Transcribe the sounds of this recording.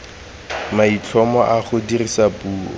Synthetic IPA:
mait͡ɬʰɔmɔʔaχʊdirisapuːɔ̰

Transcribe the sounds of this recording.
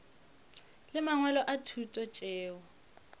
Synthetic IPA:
lɪmaŋwɛlɔʔatʰutʼɔt͡ʃʼɛːwɔ

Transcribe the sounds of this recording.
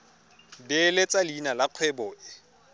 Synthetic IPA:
bɪlet͡sʼalinalaq͡χʰwɛbɔʔɪ

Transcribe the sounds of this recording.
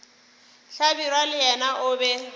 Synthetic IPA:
ɬabirwalɪjɛnaʔʊːbɛ

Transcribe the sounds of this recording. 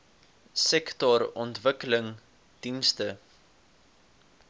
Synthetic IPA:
sɛktɔɾɔntvəkələŋ | d̥instə

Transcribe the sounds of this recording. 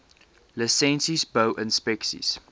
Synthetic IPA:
ləsɛ̃nsizboʊʔə̃nspɛksḭs

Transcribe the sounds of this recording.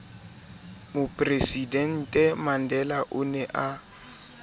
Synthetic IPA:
mʊpʼresidɛn̩tʼɛmandɛlaʔʊnɛʔa

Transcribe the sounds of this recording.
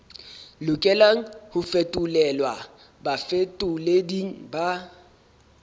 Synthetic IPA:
lʊkʼɛlaŋ̩hʊfetʼʊlɛlwa | bafetʼʊlediŋ̩ba

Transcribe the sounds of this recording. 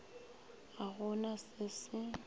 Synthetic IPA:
aɣʊnasɪsɪ

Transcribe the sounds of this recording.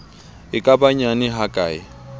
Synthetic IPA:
ɪkʼabaɲanɪɦakʼa̰ːɪ

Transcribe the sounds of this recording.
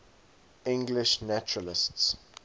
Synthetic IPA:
ɪ̃ŋɡlɪʃnat͡ʃʊɹəlɪsts

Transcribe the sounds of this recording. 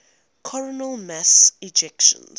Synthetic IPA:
kʰɔɹɔnəlmasid͡ʒɛkʃɔ̰̃n

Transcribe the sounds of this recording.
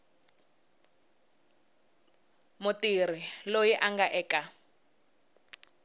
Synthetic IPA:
mʊtir̤ilojiʔaŋɡaʔɛːka

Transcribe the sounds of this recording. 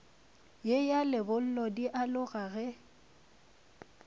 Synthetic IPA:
jejalɪbʊl̩lɔdiʔalʊɣaɣɛ

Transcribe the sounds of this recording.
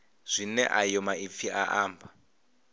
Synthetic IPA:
z̥ʷinɛ̰ʔajɔmaifiʔaʔaːmbʱa

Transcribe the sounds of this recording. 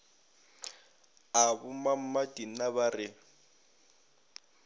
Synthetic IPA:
abʊmam̩madʼin̩naβarɪ

